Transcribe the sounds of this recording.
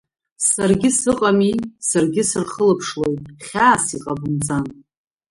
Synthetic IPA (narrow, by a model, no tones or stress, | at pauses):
sarɡʲɪsɨqʼamisarɡʲɪsɨrχəlɨpʰʂlo̞jtʼχʲaːsiqʼabɨmd͡zan